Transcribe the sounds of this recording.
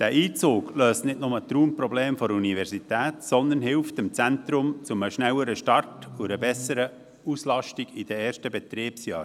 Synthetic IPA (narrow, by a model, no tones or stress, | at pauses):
d̥æʔiːt͡soːkløːstnɪtnʊmət̪ɾuːmpɾɔbleːmfɔɾəunivɛɾsitɛːtsɔnd̪ənhɪlftɪmt͡sænt̪ɾʊmt͡sʊməʃnɛwəɾəʃtɑrtuɾəbɛsəɾə | uslɑʃtiɡ̥id̥ɛɛːʃtəbɛt̪ɾiːpsjɑːɾ